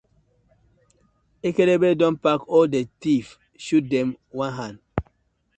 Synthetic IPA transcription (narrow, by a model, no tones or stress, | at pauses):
ekelebedɔ̃npakɔldetif | ʃut̚dɛ̃m | wãnɦãnd